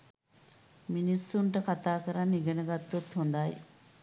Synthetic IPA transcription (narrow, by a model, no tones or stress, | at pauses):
minisːuɳʈəkat̪aːkəɾanːiɡɐnəɡat̪ːut̪hund̪aj